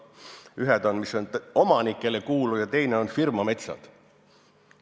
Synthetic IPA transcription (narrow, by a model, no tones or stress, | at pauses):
yɦed̪o̞nmiso̞no̞mɑnikːˑe̞lekuːlujɑt̪e̞jne̞o̞nfirmɑme̞t̪sɑ̰d̪̥